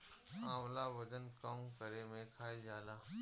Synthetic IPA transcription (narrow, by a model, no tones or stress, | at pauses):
ãːmlaːʋəd͡ʒənkəmkəɾemẽkʰaːijaːlaː